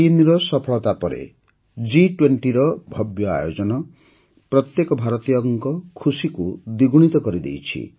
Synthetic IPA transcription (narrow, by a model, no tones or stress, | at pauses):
iniɾɔsɔpʰɔɭɔt̪apɔɾḛ | d͡ʒiʈweɳʈiɾɔbʱɔbjɔa̰jod͡ʒɔnɔ | pɾɔt̪jekɔbʱaɾɔt̪ijɔŋkɔkʰusikud̪iɡuɽ̃it̪ɔkɔɾid̪ḛjt͡ʃʰḭ